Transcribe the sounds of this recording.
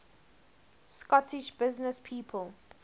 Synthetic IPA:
skɔtʰɪʃb̥ɪznəspʰiːpʰəl

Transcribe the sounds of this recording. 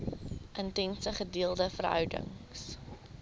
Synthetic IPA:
ʔəntɛnsəχədiːəlˠdəfərɦœ̰wdə̰ŋs

